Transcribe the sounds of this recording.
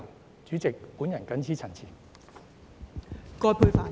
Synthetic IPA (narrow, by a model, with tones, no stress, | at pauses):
t͡ʃyː˨˥t͡sɪ˨k̚pu˨˥njɐ˨˩nkɐ˨˥nt͡sʰiː˥t͡sʰɐ˨˩nt͡sʰiː˨˩n | kɔː˧pʰuː˧jfaː˨